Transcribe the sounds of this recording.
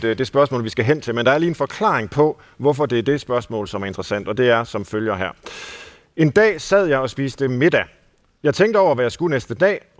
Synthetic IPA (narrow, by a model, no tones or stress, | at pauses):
d̥e̝sb̥ɶɐsmɔ̰ːlʋisɡ̥æɦen̰t͡sʰe̝lmend̥ɑ̈æɐliːenfɒ̽kʰlɑ̰̈ːeŋpʰɒ̽ | ʋɒfɒd̥e̝æɐd̥e̝sb̥ɶɐsmɔ̰ːlsɒ̽mæɐe̝nd̥ʁəsæn̰d̥ɒ̽d̥e̝æɐsɒ̽mføljɐɦæ̰ɐ̰ | e̝nd̥ɛ̰ːsæð̰ˠjɑ̈ɪɒ̽sb̥ḭːsd̥əme̝d̥æ | jɑ̈ɪt͡sʰeŋ̰ɡd̥əɒʊ̰ɐʋæjɑ̈ɪsɡ̥unesd̥əd̥ɛ̰ː